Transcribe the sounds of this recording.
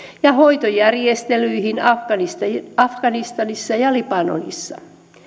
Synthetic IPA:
jɑhoit̪ojærjest̪elyihinɑfɡ̥ɑnist̪ɑɑfɡ̥ɑnist̪ɑnisːɑjɑlipɑno̰nḭsːɑ

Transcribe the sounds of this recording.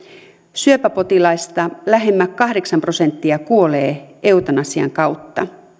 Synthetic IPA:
syøpæpo̞t̪ilɑist̪ɑlæɦe̞mːækkɑhdeksɑmpro̞se̞nt̪ːiɑkuo̞leːe̞ut̪ɑnɑsiɑ̰ŋkɑwt̪ːɑ

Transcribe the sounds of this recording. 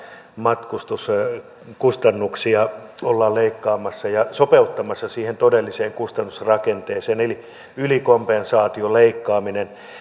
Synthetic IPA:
mɑt̪kust̪us | kust̪ɑnːuksiɑolːɑːlleikːɑːmɑsːɑjɑsopeut̪ːɑmɑsːɑsiːhent̪odelːiseːŋkust̪ɑnːusrɑkent̪eːseːneli | ylikompensɑːt̪ioleikːɑːminen

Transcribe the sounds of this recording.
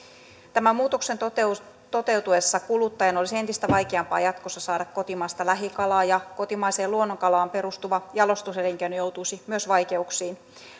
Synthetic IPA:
t̪æmæmuːt̪okse̞nt̪o | t̪o̞t̪e̞wt̪uesːɑkulut̪ːɑjɑnolisie̞nt̪ist̪æʋɑjkeɑmpɑ̰ːjɑt̪kosːɑsɑːdɑkko̞t̪imɑːst̪ɑlæɦikɑlɑːjɑko̞t̪imɑise̞ːluonːoŋkɑlɑːmpe̞ɾust̪uʋɑjɑlo̞st̪uselːiŋkenojo̞wt̪uisimyøsʋɑjke̞uksiːn

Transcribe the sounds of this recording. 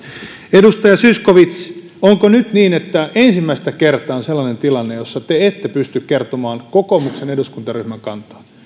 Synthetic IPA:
edust̪ɑjɑsyskoʋit̪s | oŋkonyt̪niːnet̪ːæʔensimːæist̪ækert̪ɑonselːɑnent̪ilɑnːejosːɑt̪eet̪ːepyst̪ykkert̪omɑːnkokomukseneduskunt̪ɑryhmæŋkɑnt̪ɑ̥

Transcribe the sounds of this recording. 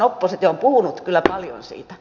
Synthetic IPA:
opːoset̪jɑompuhunut̪kylːæpɑljo̰nsḭːt̪æ̥

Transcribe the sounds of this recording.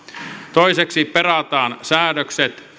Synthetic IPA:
t̪oiseksiperɑt̪ɑːnsæːdøkset̪

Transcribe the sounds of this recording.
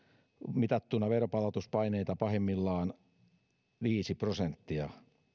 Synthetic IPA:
mit̪ɑt̪ːunːˑɑʋeropɑlɑt̪uspɑineit̪ɑpɑhemːilːɑːn | ʋiːsiprosent̪ːiɑ

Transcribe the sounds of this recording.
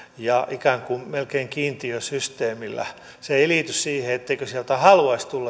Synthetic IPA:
jɑʔikæːŋkummelkeːŋkiːnt̪iøsyst̪eːmilːæ̰ | seeliˑt̪yssiːheet̪ːeikøsielt̪æhɑluɑist̪ulːɑ

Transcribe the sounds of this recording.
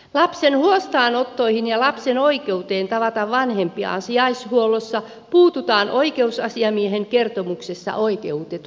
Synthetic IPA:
lɑpsenhuost̪ɑːnot̪ːoihinjɑlɑpsenoikeut̪eːnt̪ɑʋɑt̪ɑʋʋɑnhempiɑ̰nsiɑishuolosːɑ | puːt̪ut̪ɑːnʔoikeusɑsiɑmieheŋkert̪omuksesːɑ̰ʔoikeut̪et̪

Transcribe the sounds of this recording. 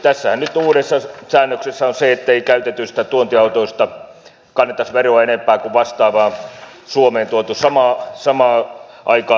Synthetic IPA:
t̪æsːæhænnyt̪uːɾesːɑsæːnːøksesːæonseet̪ːeikæyt̪et̪ːysi̥t̪æt̪uont̪iɑut̪oist̪ɑ | kɑnːet̪ɑsʋeroɑenempæːkuʋɑst̪ɑːʋɑːn | suomeːnt̪uot̪usɑmɑːsɑmɑːʔɑikɑː

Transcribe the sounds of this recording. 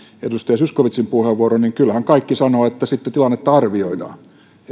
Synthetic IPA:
ḛdust̪ɑjɑsyskoʋit̪simpuheʋːuoroniŋkylhæŋkɑikːisɑnoːet̪ːæsit̪ːet̪ilɑnːet̪ːɑɑrʋioidɑ̰

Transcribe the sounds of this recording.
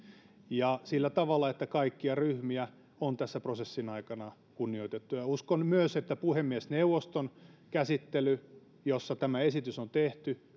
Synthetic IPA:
jɑsilːæt̪ɑʋɑlːˑɑet̪ːækɑikːiɑryhmiæ | ont̪æsːæprosesːinɑikɑnɑ | kunːioit̪et̪ːujɑuskonmyøset̪ːæpuhemːiesneuʋost̪onkæsit̪ːely | josːɑt̪æmæesit̪ysont̪eht̪y

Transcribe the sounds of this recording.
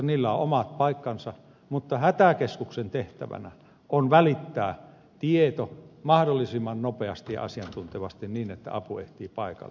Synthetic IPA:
niːlːæoʔomɑt̪̚pɑikːɑnsɑ | mut̪ːɑhæt̪ækeskuksent̪eht̪æ̰ʋæ̰næ̰ | ʔonʋælit̪ːæː | t̪iet̪omɑhdolːisimːɑnnopeɑst̪ijɑ̰ʔɑ̰siɑnt̪unt̪eʋɑst̪inniːnet̪ːæ̰ɑpuḛht̪iːpɑikɑ̰lː

